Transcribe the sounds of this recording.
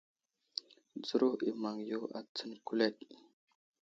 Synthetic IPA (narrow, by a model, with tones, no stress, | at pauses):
d͡zə˦ɾo˦i˨ma˨ŋjo˦a̰˨t͡sə˦nku˦le˦˨t̚